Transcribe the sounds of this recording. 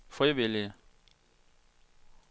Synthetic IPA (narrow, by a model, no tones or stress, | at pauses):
fɔɪbɪlɪ